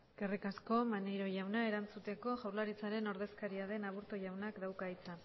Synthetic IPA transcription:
ɡ̥erikasko̞manejɾo̞ʝawnae̞ɾant͡sut̪e̞ko̞ʝawɾlaɾit͡saɾe̞no̞ɾðe̞skaɾiaðe̞naβuɾt̪oʝawnakd̪awkait͡sa

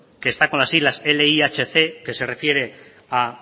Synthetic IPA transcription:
ke̞ːst̪ako̞nlasizlaseleiat͡ʃeθe̞ke̞se̞re̞fje̞ɾe̞ | a

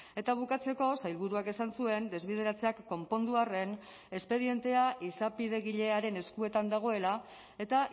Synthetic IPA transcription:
e̞t̪aβ̞ukat͡se̞ko̞sajlβuɾuake̞sansue̞nd̪e̞zβeð̞e̞ɾat͡se̞akːo̞mpo̞nd̪uare̞n | e̞spe̞ð̞ie̞nt̪e̞aʔisapið̞e̞ɣiʎe̞aɾe̞ne̞skue̞t̪and̪aɣ̞o̞e̞la | e̞t̪a

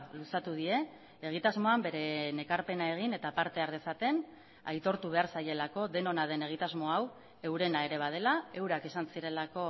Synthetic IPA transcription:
lusat̪uð̞ie̞ː | ɣ̞it̪azmo̞ambe̞ɾe̞ne̞kaɾpe̞nae̞ɣ̞ine̞t̪apaɾt̪e̞aɾðe̞sat̪e̞n | ajt̪o̞ɾt̪uβ̞e̞aɾsaje̞lako̞ðe̞no̞nað̞e̞ne̞ɣ̞it̪azmo̞aw | e̞wɾe̞naeɾe̞βað̞e̞lae̞wɾakesansiɾe̞lako̞

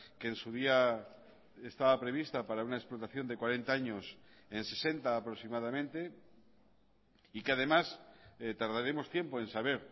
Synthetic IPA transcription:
keːnsuð̞ia | est̪aβapɾe̞β̞ist̪apaɾaunaeksplo̞t̪aθjo̞nd̪e̞kwaɾe̞nt̪aaɲo̞se̞nse̞se̞nt̪aːpɾosimað̞amẽnt̪e̞ | ikeað̞e̞maset̪aɾðaɾemo̞st̪jempo̞e̞nsaβ̞e̞ɾ

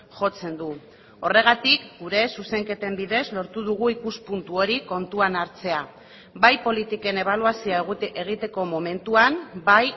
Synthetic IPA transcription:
ʝo̞t͡se̞nd̪u | o̞re̞ɣat̪ikɡuɾe̞suse̞ŋke̞t̪e̞mbiðe̞zlo̞ɾt̪uðuɣ̞uikuspunt̪uo̞ɾiko̞nt̪uanaɾt͡se̞a | bajpo̞lit̪ike̞ne̞β̞aluasioeɣeɣ̞it̪e̞ko̞mo̞me̞nt̪uambaj

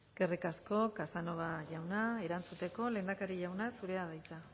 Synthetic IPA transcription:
eskerikasko̞kasano̞ɣ̞aʝawnae̞ɾant͡sut̪e̞ko̞leːnd̪akaɾiʝawnasuɾe̞aðajt͡s̪a

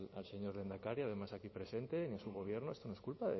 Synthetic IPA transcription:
lalse̞ɲo̞ɾðend̪akaɾjaðe̞masakipɾe̞se̞nt̪e̞niasuɣ̞o̞β̞je̞ɾnoe̞st̪onoeskulpa

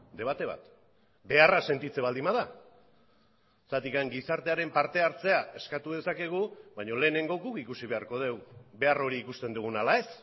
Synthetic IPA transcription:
d̪e̞βat̪e̞β̞a̰t̪ | be̞arase̞nt̪it͡se̞β̞ald̪imaða | sat̪ikaŋɡisaɾt̪e̞aɾe̞mpaɾt̪e̞aɾt͡se̞ae̞skat̪uð̞e̞sake̞ɣ̞uβaɲo̞le̞ːne̞ŋɡo̞ɡukikusiβe̞aɾko̞ð̞e̞wbe̞aro̞ɾiːkust̪e̞nd̪uɣ̞unalae̞s

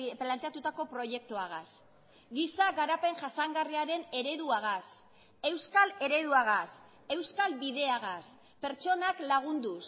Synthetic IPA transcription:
plant̪eat̪ut̪ako̞pɾo̞je̞k̚t̪uaɣ̞as | ɡisaɣaɾape̞ŋʝasaŋɡariaɾe̞ne̞ɾe̞ðuaɣas | e̞wskale̞ɾe̞ðuaɣ̞as | e̞wskalbiðe̞aɣ̞as | pe̞ɾt͡ʃo̞naklaɣ̞und̪us

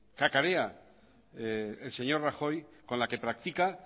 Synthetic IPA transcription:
kakaɾea | else̞ɲo̞ɾraxo̞jkonlake̞pɾak̚t̪ika

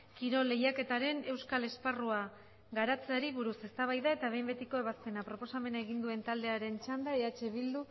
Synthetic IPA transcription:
kiɾo̞le̞jake̞t̪aɾe̞ne̞wskale̞sparua | ɣaɾat͡seaɾiβuɾuse̞st̪aβ̞ajðae̞t̪aβ̞e̞jmbe̞t̪iko̞e̞β̞aspe̞napɾopo̞same̞nae̞ɣind̪ue̞nt̪ald̪e̞aɾe̞nt͡ʃand̪aeat͡ʃe̞βild̪u

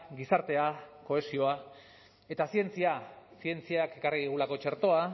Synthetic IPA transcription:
ɡisaɾt̪e̞ako̞e̞sio̞a | e̞t̪asie̞nt͡siasie̞nt͡siake̞kariðiɣulako̞t͡ʃe̞ɾt̪o̞a

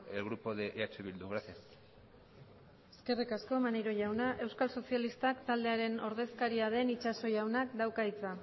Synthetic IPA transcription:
elɣɾupoðeʔat͡ʃeβild̪uɣɾasia | eske̞rikasko̞maneɾo̞ʝawnaʔe̞wskalso̞sialist̪akt̪ald̪e̞aɾe̞no̞ɾð̞e̞skaɾiaðe̞nit͡ʃaso̞ʝawnakd̪awkait͡sa

